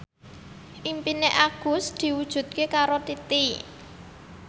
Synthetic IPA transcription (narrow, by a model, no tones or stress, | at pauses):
ʔimpineʔaɡ̥ʊ̤sd̪̥i̤wud̥ʒ̥ṳt̪̚kekaɾot̪it̪i